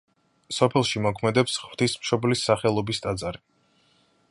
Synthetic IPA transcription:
sɔpʰɛlˠʃimɔkʰmɛd̪ɛpsχwt̪ʰismʃɔblisaχɛlˠɔbist̪ʼad̪zaɾi

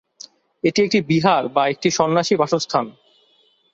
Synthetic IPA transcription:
eʈiek̚ʈibiɦaɾbaek̚ʈiʃɔnːaʃibaʃost̪ʰan

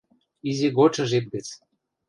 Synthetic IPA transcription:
izʲeɡot͡ʃɤ̆ʒet̪̚ɡə̆t͡s

